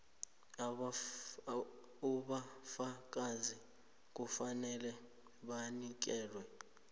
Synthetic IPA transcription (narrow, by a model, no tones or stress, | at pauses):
uɓafak̬ʼazi | k̬ufanɛlɛ | ɓanik̬ɛːlwɛ